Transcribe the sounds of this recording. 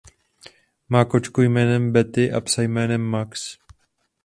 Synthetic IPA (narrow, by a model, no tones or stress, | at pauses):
maːkot͡ʃkujmɛːnɛmbɛt̪ɪʔapsajmɛːnɛmːaks